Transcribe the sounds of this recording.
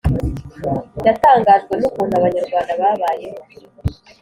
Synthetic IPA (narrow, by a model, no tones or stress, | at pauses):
jataːŋɡaːʒɡwe̞nukuːn̥huaβaɲaɾɡwaːndaβaːβaːje̞ho